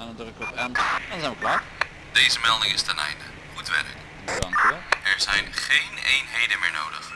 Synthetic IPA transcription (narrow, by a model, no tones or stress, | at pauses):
ɛnɔndrəkɔtɛnɛnnzɛjnʋəklaːt | d̥ejzəmɛlˠdɪŋɪstɛnɛ̰jndə | χutʋɛ̰lɪ̰k | dɑŋkyʋɛlˠɛɹzɛjnχejnejnɦejdənmɪ̰ːɹno̰wdə̰χ